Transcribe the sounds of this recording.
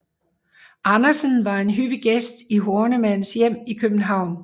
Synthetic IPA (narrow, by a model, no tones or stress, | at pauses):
ʔɑnɐsənʋɑ̈e̝nɦyb̥iɡ̥esd̥iɦoːnəmæn̰̩sjem̰ikʰøb̥n̩ɦɑ̈ʊ̰n